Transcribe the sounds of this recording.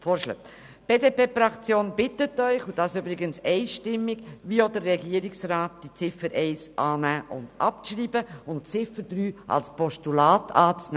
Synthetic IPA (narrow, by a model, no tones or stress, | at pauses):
foːɾʃlə̰ | b̥eːdepeːfrɑkt͡sjoːnbɪtətœʏχud̥ɑːsybɾɪɡənsɛɪʃtɪmːɪɡʋiodəɾːɛɡiːəɾɪksraːt̚d̥it͡sɪfəɾʔɛɪsʔɑːnæːʔʊ̰ndʔɑ̰pʃriːbəʊntt͡sɪfəɾdɾyːʔɑ̰lspɔʃtulɑːtʰɑːt͡snː